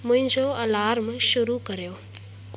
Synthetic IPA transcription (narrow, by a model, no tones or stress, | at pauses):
mʊ̃ɦɪ̃ɲd͡ʑoɐlaːɾmɪʃʊɾukɐɾijoː